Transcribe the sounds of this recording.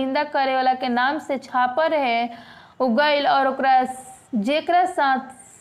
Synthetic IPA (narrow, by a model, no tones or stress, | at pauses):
ɪ̃nd̪akəɾeolakenaːmset͡ʃʰaːpəɾɦɛ | ʊɡəɪlɔːɾʊkɾad͡ʒeːkɾasãːt̪ʰ